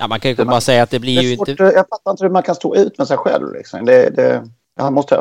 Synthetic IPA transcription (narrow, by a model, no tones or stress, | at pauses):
jamanŋkʰanjkəɑːɾasɛjːat̪̚d̪ɛblɪɾjɪnɔəjaɡfat̪ːaɾɪnt̪əhɵmankʰanst̪o̰ːʔʉ̟ːt̪mɛsɛjɧɛ̰lvlɪ̰ksɔ̰md̪ɛd̪ɛ̰ | d̪̥ɛhanmɔst̪ə